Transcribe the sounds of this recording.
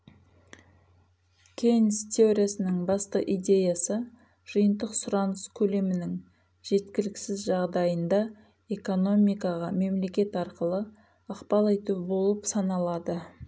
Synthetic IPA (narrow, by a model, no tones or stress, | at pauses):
kʲʰejnst̪ʲʰe̞o̞ɾʲijasənəɴbɑst̪əʔijd̪ʲe̞jasə | ʒ̥əjənd̪əqsʊɾɑnəskʲʰɵle̞mɪnɪŋ | ʒ̥e̞t̪kʲɪlɪkʲsɪzʒɑʁd̪ɑjənd̪ɑ | e̞ko̞no̞mijkɑʁɑme̞mle̞kʲe̞t̪ɑɾqəlˠə | ɑqpɑlˠejt̪uɪbo̞lˠəpsɑnɑlˠɑd̪ə